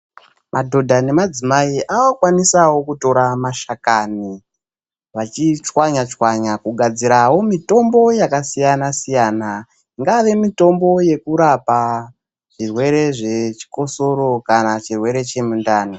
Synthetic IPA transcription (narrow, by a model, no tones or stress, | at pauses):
madʱo̞dʱane̞mad͡zimaiʔawokwanisawo̞kuto̞ɾamaʃakani | ʋat͡ʃit͡ʃwaɲat͡ʃwaɲakuɡʱad͡ziɾawo̞mito̞mbo̞jakasijanasijana | iŋɡaʋe̞mito̞mbo̞je̞kuɾapa | ʐ̥irwe̞ɾe̞ʐe̞t͡ʃi̥ko̞so̞ɾo̞kanat͡ʃirwe̞ɾe̞t͡ʃe̞mundaːni